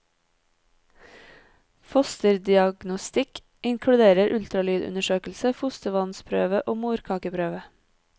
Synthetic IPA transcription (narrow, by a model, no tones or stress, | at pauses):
fɔst̪əɾd̪ɪɑɡnʊst̪ɪk | ʔɪŋkʰlʉd̪eːɾəɾʔʉlt̪ɾɑlyːd̪ʉ̰nəʃøːkl̩səfʊst̪əʋɑnspʰɾø̰ːʋəʔoːmuːɾkʰɑːkəpʰɾøːʋə